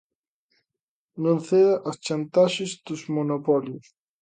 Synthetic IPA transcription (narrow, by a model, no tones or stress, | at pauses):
nũnθeðaʔost͡ʃant̪aʃezd̪uzmonopɔljus